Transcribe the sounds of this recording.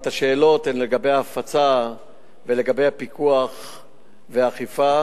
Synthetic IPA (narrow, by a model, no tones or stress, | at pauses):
t̪aʃe̞ːlo̞t̪hemleɡabe̞jaːfat͡sa | vele̞ɡabe̞japikuaχ | veaχifa